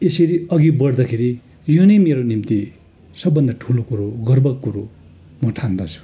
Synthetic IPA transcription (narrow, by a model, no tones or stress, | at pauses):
esʌɾiʌɡibʌɽd̪ʌkʰeɾi | jonʌjmeɾonimt̪i | sʌbːʌnd̪ʌʈʰulokuɾoɡʌrbʌkːuɾo | mʌʈʰand̪ʌt͡sʰu̥